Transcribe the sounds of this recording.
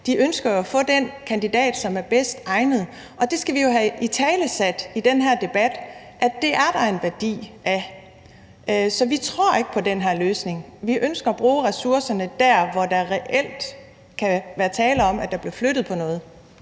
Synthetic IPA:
d̥iʔønsɡ̥ɐjoæfɔ̽ːd̥enkʰænd̥id̥ɛ̰ːd̥sɒ̽mæɐb̥esd̥ɑ̈ɪnəð̞̩ˠ | ɒ̽d̥e̝sɡ̥æʋijo̝ɦæit͡sʰɛːləsæd̥id̥enɦæɐd̥e̝b̥æd̥ | ʔæd̥e̝æɐd̥ɑ̈e̝nʋæɐd̥ḭːʔæ | ʔsɒ̽ʋit͡sʰʁoɐ̰e̝ɡ̥ə̥pʰɒ̽d̥enɦæɐløːsne̝ŋʋiʔønsɡ̥ɐːb̥ʁuːʁɛsuɐsɐnəd̥æɐ̰ʋɒd̥ɑʁɛʔel̰d̥ | kʰæʋæːɐt͡sʰɛːləɒ̽m̰ʔæd̥ɑ̈b̥liɐflød̥ð̩ˠpʰɒ̽nɔ̽ːð̞̩ˠ

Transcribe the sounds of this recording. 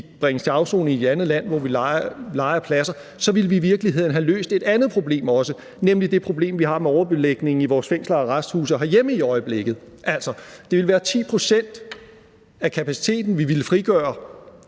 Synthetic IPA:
ib̥ʁɛŋəst͡sʰe̝ɑ̈ʊso̝̰ːnie̝d̥ænð̞̩ˠlæn̰ʋɒʋilɑ̈ɪɐpʰlæsɐ | sɒ̽ʋilʋiːʋiɐɡ̥liɦe̝ð̞̰ˠn̩ɦælø̰ːsd̥e̝d̥ænð̞̩ˠpʰʁo̝b̥le̝̰ːmɒ̽sə | nemlid̥e̝pʰʁo̝b̥le̝̰ːmʋiɦɑ̈meɒʊɐb̥e̝leɡ̥ne̝ŋ̩iʋɒːsfeŋ̰slɐɒʁasd̥hṵːs̬ɒɦɑjeməiɒ̽ɪəb̥le̝ɡ̥ð̩ˠ | ʔæl̰sɒ̽d̥e̝ʋe̝lʋæːɐt͡sʰḭːpʰʁo̝sen̰d̥ | ækʰæpʰæsi̥t͡sʰe̝̰ːd̥n̩ʋiʋilfʁiɡ̥ɶ̰ːɐ

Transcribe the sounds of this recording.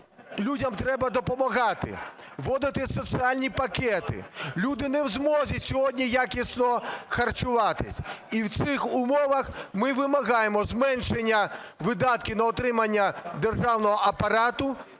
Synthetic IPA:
lʲudʲɐmt̪ɾɛbɐd̪ɔpɔmɐɣɑt̪ɪ̰ | ʋɔd̪ɪt̪ɪsɔsɨalʲnʲipɐkɛt̪ɪ̰lʲud̪ɪnɛwzmɔzʲɐsʲɔɦɔdʲnʲijakʲisnɔxɐrt͡ʃʊʋɑt̪ɪ̰sʲiwt̪sɪxʊmɔʋɐxmɪʋɪmɐɣɑjemɔzmɛnʃenʲːɐʋɪd̪ɑt̪̚kʲɪnɐɔt̪ɾɪmɐnʲːɐd̪erʒɑwnɔɦɔʔɐpɐɾɑt̪ʊ

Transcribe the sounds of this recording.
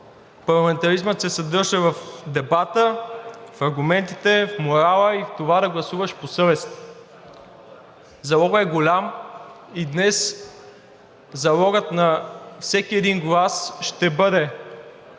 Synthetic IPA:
pɐɾlˠɐmɛnt̪ɐɾizmət̪sɛsɐd̪ɤɾʒəvɐfd̪ɛbat̪əfɐɾɡumɛnt̪it̪ɛfmoɾalˠəift̪ovad̪ɐɡlˠɐsuvɐʃposɤvɛst̪ | zɐlˠɔɡəɛɡolʲam | id̪nɛs | zɐlˠɔɡət̪nɐfsɛk̟iɛd̪inɡlˠasʃt̪ɛbɤd̪ɛ

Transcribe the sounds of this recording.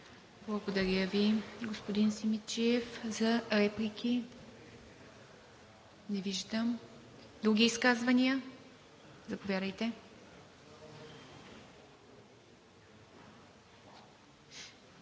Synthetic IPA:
blˠɐɡod̪ɐɾʲəviɡospod̪insimit͡ʃiɛfzɐɾɛplʲikʲʰi | nɛviʒd̪əm | d̪ɾuɡʲiiskazvɐnijə | zɐpovʲjad̪əjt̪ɛ

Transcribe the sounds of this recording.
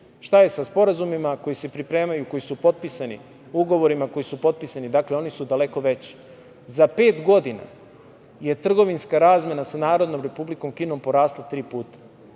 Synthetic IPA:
ʃt̪ajesaspo̞ɾazumimako̞jise̞pɾipɾe̞ːmajuko̞jisupo̞t̪̚pisanḭ | uuɡo̞ʋo̞ɾimako̞jisupo̞t̪̚pisanid̪akleo̞nisud̪ale̞ko̞ʋe̞t͡ɕi̥ | zape̞ːt̪ɡo̞d̪ina̰ | je̞t̪r̩ɡo̞ʋinskaɾaːzmʲje̞nasanaːɾo̞d̪no̞mɾe̞publiko̞mkino̞mpo̞ɾaːslˠat̪ɾiːpuːt̪ḁ

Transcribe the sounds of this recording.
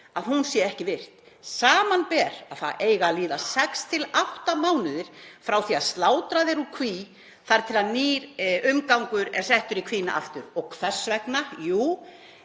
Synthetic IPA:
aðɦunsjɛɛhcɪvɪr̥t̪ | saːmanpɛːɾaðθa̰ðeːjɣaliːðasɛkst̪ʰɪlawht̪amaːwnɪðɪɾ̥fɾawθiaðst̪laːwt̪ɾaðɛɾukʰviː | θaɾt̪ʰɪlaðniːɾʏmkawŋkʏɾɛ̰ɾ̥sɛht̪ʏɾikʰviːna̰ʔa̰ft̪ʏɾɔɣkʰfɛsvɛknajuː

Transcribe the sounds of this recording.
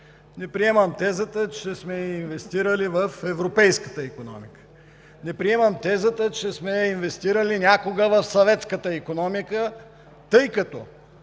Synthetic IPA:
nɛpɾiɛmɐmt̪ɛzət̪ət͡ʃɛsmɛinvɛst̪iɾəlivəfɛvɾopɛjskət̪əikonɔ̰mikə̥ | nɛpɾiɛmɐmt̪ɛzət̪ət͡ʃɛsmɛinvɛst̪iɾəlinʲakoɡəvɐfsɐvɛt̪skət̪əikonɔmikə | t̪ɤjkɐt̪ɔ

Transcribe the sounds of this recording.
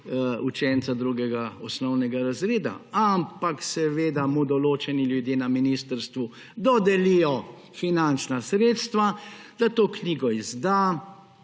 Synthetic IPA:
ut͡ʃɛnt̪sad̪ɾuːɡɛɡaɔsnɔwnɛɡaɾazɾeːd̪a̰ampaksɛʋeːd̪amud̪ɔloːt͡ʃɛniljud̪jeːnaminist̪əɾst̪ʋu | d̪ɔd̪ɛlijɔ | finant͡ʃnasɾeːt̪st̪ʋad̪̥at̪oːkniːɡɔizd̪a

